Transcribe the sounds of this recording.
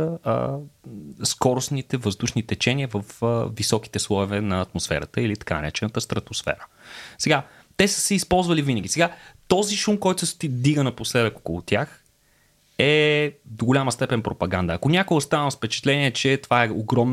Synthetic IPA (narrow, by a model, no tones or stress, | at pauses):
əə̰ | skɔɾʊsnit̪ɛvəzd̪uʃnit̪ɛt͡ʃɛniəvəfəvisɔki̥t̪ɛslˠɔovɛnɐːt̪mosfɛ̰ɾət̪əilit̪ɐ̥kanɐ̰ɾɛ̰t͡ʃɛnət̪əst̪ɾɐt̪osfɛ̰ɾə̥ | sɛɡa | t̪ɛsə̥sɛispɔlˠzvəlivinəɡ̟ʲisɛɡat̪ɔziʃumkɔjt̪ʊsɛst̪id̪iɡənɐposɛd̪əkɔ̥kʊlˠʊt̪ʲjax | ɛd̪oɡʊlʲaməst̪ɛpɛnpɾopɐɡand̪əːkonʲakoɡost̪avəmfpɛt͡ʃɛ̥t̪lɛniɛt͡ʃɛt̪ovaɛoɡɾɔm